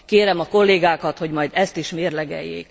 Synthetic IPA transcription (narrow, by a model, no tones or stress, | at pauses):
keːɾɛmɒko̞lːeːɡaːkɒt̪ho̞ɟmɒjd̪ɛst̪iʃmeːrlɛɡɛ̰jːḛːk